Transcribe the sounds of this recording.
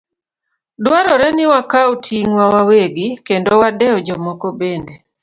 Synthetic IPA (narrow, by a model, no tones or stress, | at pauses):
dwaɾɔɾɛnɪwakautʰiŋwawaweɡikendowadɛɔd͡ʒɔmɔkɔbende